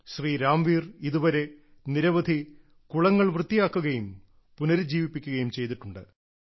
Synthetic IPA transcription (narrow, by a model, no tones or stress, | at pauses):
ɕriːɾaːmʋiːriðuʋɐɾe̞ | niɾɐʋɐd̪ʱi | kuɭɐŋːɐɭʋrɨt̪ːijaːkːuɣɐjum | punɐɾd͡ʑiːʋipːikʲːuɣɐjumt͡ɕe̞jt̪̬iʈːuɳɖɨ